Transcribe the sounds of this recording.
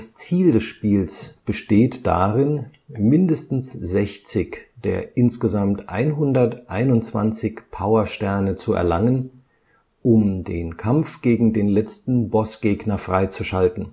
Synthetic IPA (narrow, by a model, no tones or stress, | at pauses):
d̥ast͡siːldɛsʃpiːlsb̥əʃteːtd̥a̰ːʁɪnmɪndəstn̩sz̥ɛçt͡sɪçd̥eːɐʔɪnsɡ̥əzamtʔa̰ɪnɦʊndɐtʔa̰ɪnʊntt͡sv̥a̰nt͡sɪçpʰaʊɐʃtɛɐnət͡suɛ̰ɐla̰ŋən | ʔʊmdeːnkʰamfɡ̥eːɡŋ̩deːnlɛt͡stn̩bɔsɡ̥eːɡnɐfʁ̥aɪt͡suʃaltn̩